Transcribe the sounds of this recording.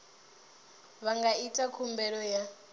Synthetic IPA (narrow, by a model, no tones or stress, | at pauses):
βaŋɡaitʼakʰumbɛɺɔja